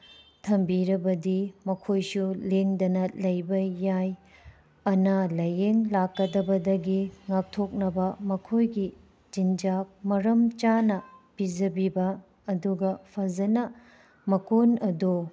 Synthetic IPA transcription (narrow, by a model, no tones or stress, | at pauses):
tʰɐmbiɾɐbɐdimɐkʰojsuleŋdɐnɐlɐjbɐjːaj | ɐnɐlɐjeŋlakːɐdɐbɐdɐɡiŋak̚tʰok̚nɐbɐmɐkʰojɡi | d͡ʒind͡ʒap̚mɐɾɐmt͡ʃanɐpid͡ʒɐbibɐː | duɡɐpʰɐzɐnɐ | mɐkonɐdo